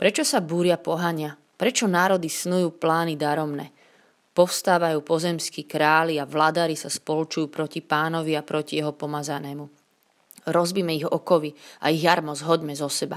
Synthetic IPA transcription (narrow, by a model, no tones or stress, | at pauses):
pɾɛt͡ʃɔsabuːɾɪapɔɦaɲɪa | pɾɛt͡ʃɔnaːɾɔd̪isnujuːplaːnid̪aɾɔmnɛː | pɔfst̪aːʋajuːpɔzɛmskiːkɾaːliaʋlad̪aɾisaspɔlut͡ʃujuːpɾɔcipaːnɔʋiapɾɔcijɛɦɔpɔmazanɛːmu | ɾɔzbiːmɛiɣɔkɔʋia̰iɣjaɾmɔzɦɔɟmɛzɔsɛba